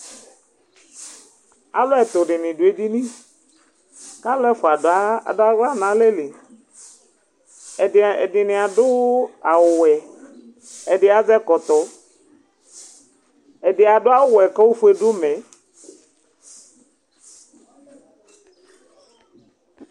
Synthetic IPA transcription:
a˨˦lʊ˦ɛ˨t̪ʊ˨dɪ˨nɪ̃˨dʊ˨e˨di˦nĩ˦ | ka˦lɛ˦fʊ˨a˨ddʊ˦a˦ɣa˦nã˨˦lɛ˦le˨ | ɛ˨ɛ˨dɪ˨nɪ˨a˨dʊ˦a˨wʊ˨wɛ˨ | ɛ˨dɪ˨a˨zɛ˦kɔ˨t̪ɔ˨ | ɛ˨dɪ˨a˨dʊ˦a˦wʊ˦˨wɛ˨kɔ˦wʊ˦fu˦e˨dʊ˦mɛ˨

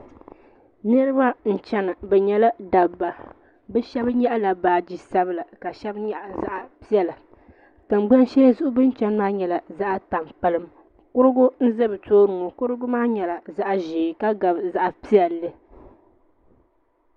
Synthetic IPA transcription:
nɨ˦ɾɨ˦ba˦n̩˨t͡ʃɛ˦nɨ˨bɛ˨ɲɛ˦la˦da˨ba˨ | bɛ˦ʃɛ˦bɲɛ˦ʔa˦la˨baː˨d͡ʒi˨sa˦bɨ˦la˨ka˨ʃɛ˦bɲɛ˦ʔza˦ʔa˨pi˦ɛ˦la˨ | tɨ˨m˦ɡ͡ba˦n˦ʃɛ˦la˦zʊ˦ʔʊ˦bɨ˦nt͡ʃɛ˦n˦maː˦ɲɛ˨la˨za˦ʔta˨mpa˦lɨ˦m | kʊ˦ɾɨ˦ɡʊ˦n̩˦zɨ˦bɨ˨toː˦nʊ˨ŋɔ˨kʊ˦ɾɨ˦ɡʊ˦maː˦ɲɛ˨la˨za˦ʔʒeː˨ka˦ɡa˨bza˦ʔa˨pi˦jɛ˨lɨ˦

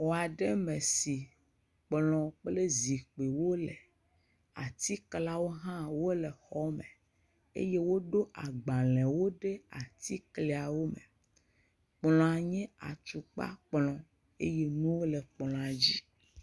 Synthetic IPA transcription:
wo˨a˨ɖe˦mẽ˨si˨ | k͡plɔ̃˨k͡ple˦zi˨k͡pe˨wo˦le˨ | a̰˨t̪i˦kla˦wo˦ɦã˦wo˦le˨xɔ˦mḛ˨ | ḛ˦je˦wo˦ɖo˦ʔa˨ɡ͡bã˨lɛ̃˨wo˦ɖe˦a˨t̪i˦kle˨a˨wo˦mḛ˨ | k͡plɔ̃˨a˨ɲɛ̃˦a̰˨t͡ʃu˨k͡pa̰˦k͡plɔ̃˨ | ḛ˦je˦nũ˦wo˦le˨k͡plɔ̃˨a˨d͡ʑi˦

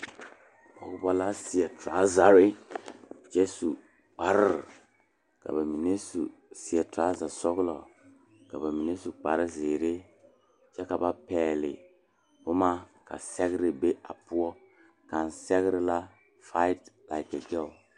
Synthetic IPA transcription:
bɔ˨˦kʊ˦bɔ˦la˦si˨ɛ˨ta˨˦za˨ɾi˦ | t͡ʃɛ˦su˨ | k͡pa˨ɾɪ˦ɾ | ka̰˨ba˨mi˨ne˦su˨si˨ɛ˨ta˨˦za˨sɔ˦ɡlɔ˨ | ka̰˨ba˨mi˨ne˦su˨k͡pa˨ɾɨ˦zeː˨ɾe˦ | t͡ʃɛ˦ka˨ba˦pɛː˨lɪ̰˨ | bʊ˦ma˦ka̰˨sɛ˦ɡɾi˨be˦a˨pu˦ɔ˦ | ka˨nsɛ˦ɣɾɪ˦la˦ | fa˦ɪ˦tla˨ɪ˨ke˨ɡɛ˦l

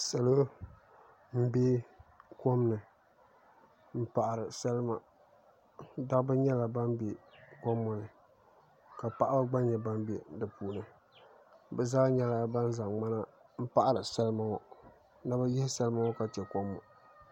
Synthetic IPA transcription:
sa˨lo˦ | m̩˦be˦ko˦mnɨ˨ | m̩˦pa˨ʔa˨ɾɨ˨sa˦lɨ˦ma˦ | da˦kbɨ˦ɲɛ˦la˨ba˦n˦be˨ko˦mːɔ˨nɨ˨ | ka˨pa˨ʔa˦ba˦ɡ͡ba˦ɲɛ˨ba˦mbe˨dɨ˨puː˨nɨ˨ | bɛ˨za˦ɲɛ˦la˨ba˦n˦za˨ŋma˦na˦ | m̩˦pa˦˨ʔa˨ɾɨ˨sa˦lɨ˦ma˨ŋɔ˨ | na˦ba˦jɪ˦hɪ˦sa˦lɨ˦ma˦ɔ˦ka˨t͡ʃɛ˨ko˦mːɔ̰˨

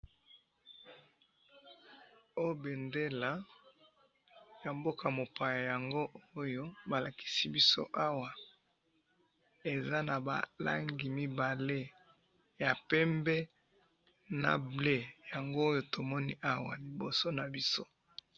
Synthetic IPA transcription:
o˦˨be˨nde˦la˨ | ja˨mbo˦kʰa˨mo˨pa˨ja˨ja˨ŋɡo˦o˦jo˦ba˨la˨ki̥˦si˦bi˦so̰˦ʔa˦wa˨ | e˨za˦na˨ba̰˨la̰˦ŋɡi˨mi˦ba˨le˦ | ja˨pɛ˦mbɛ˦ | na̰˨ble˦ja˨ŋɡoː˦jo˦to˨mɔ˦ni˦ʔa˦wa˨li˨bo˨so˦na˨bi˦so˦

